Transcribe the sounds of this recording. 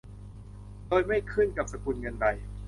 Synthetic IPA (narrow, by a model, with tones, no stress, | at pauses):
doː˧jma˥˩jkʰɯ˥˩nka˨˩p̚sa˧ku˧nŋɤ˧nda˧j